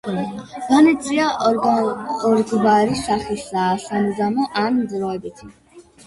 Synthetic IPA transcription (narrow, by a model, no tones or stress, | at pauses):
ɡ̥̪anit̪sʼia | ɔɾɡbaɾisaχisaːsamzamɔʔanmzɾaɛbit̪ʰ